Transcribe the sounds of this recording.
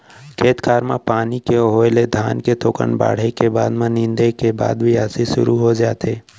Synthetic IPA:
kʰeːt̪kʰaːɾma̰paːnikeɦoːled̪ʱaːnket̪ʰoːkə̰ɳba̰ːɽ̤ekeba̰ːd̪mãnɪ̃nd̪ekeba̰ːd̪bʱiaːsiʃʊ̰ɾuɦod͡ʒaːt̪eː

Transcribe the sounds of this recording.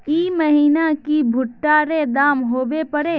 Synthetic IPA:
iːməɦiːnakibʱʊʈːaɾed̪aːmɦoːbepəɾe

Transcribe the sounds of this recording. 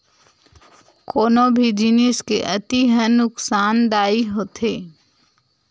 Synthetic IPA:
koːnobʱid͡ʒinɪskeʔɐt̪iɦə̃nʊksaːnd̪aːiɦoːt̪ʰeː

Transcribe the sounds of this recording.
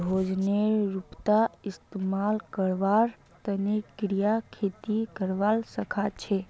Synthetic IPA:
od͡ʒneɾupt̪aɪst̪emalkəɾʋaɾ | t̪ənekɾijakʰet̪ikəɾʋalsəkʰat͡ʃʰe

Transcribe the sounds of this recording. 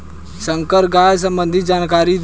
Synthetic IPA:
səŋkəɾɡaːjs̬ə̃mbə̃nd̪ʱit̪̚d͡ʒaːnkaɾid̪

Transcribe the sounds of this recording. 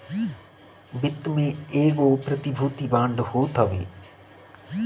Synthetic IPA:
bɪt̪mẽeːɡopɾɐt̪ɪbʱuːt̪ibãːɳɖhoːt̪ɐʋḛː

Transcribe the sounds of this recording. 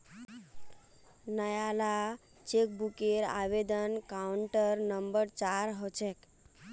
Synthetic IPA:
nəjala | t͡ʃek̚bukeɾa̰βed̪ənkauɳʈəɾnəmbəɾt͡ʃaɾɦot͡ʃʰek

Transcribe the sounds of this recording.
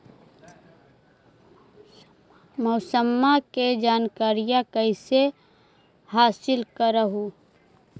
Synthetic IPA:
məʊsəmːaked͡ʒaːnkaːɾijakəɪse | haːsɪlkəɾəɦu

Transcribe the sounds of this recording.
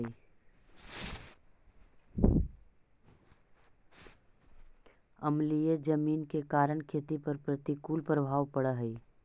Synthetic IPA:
ə̰mlijed͡ʒəmiːnkekaːɾəɳkʰeːt̪ipəɾpɾət̪ikuːlpɾəbʱaːʋpəɽaɦɛi

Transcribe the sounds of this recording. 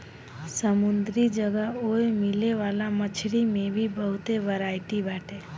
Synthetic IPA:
səmʊnd̪ɾid͡ʒəɡəoemɪleʋaːlamət͡ʃʰɾimẽbʱibəɦʊt̪eʋəɾaːɪʈibaːʈʰe

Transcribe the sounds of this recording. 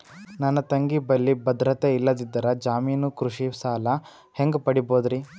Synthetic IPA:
nɐnːɐt̪ɐŋɡibɐlːibɐd̪ɾɐt̪eilːɐd̪id̪ːɐɾɐd͡ʒaːmiːnukɾuʂisaːlɐ | heŋɡpɐɽiboːd̪ɾi

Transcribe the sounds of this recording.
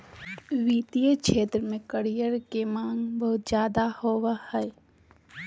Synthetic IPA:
ʋiːt̪ijəkʃʰeːt̪ɾəmẽkəɽijəɾkemãːŋɡbəɦʊt̪zjaːd̪ahoːwahɛː

